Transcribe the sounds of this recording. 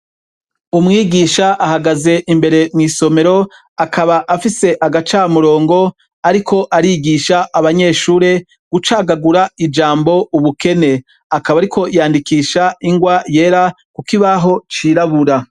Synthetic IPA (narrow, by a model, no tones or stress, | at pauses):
umŋiːɡiːʃaʔahaɡaze̞ʔimbe̞ɾe̞mŋiːso̞me̞ɾo̞ | akʰaβaʔafise̞ʔaɡat͡ʃaːmuɾo̞ːŋɡo̞ | aɾikʰo̞ʔaɾiːɡiːʃaʔːβaɲe̞ːʃuːɾe̞ | ɡ̥ut͡ʃaːɡaɡuɾaid͡ʒaːmbo̞uβuke̞ne̞ | akaβaɾikʰo̞jaːndikiːʃaiŋɡwaje̞ːɾa | kukiβaɦo̞t͡ʃiːɾaβuɾa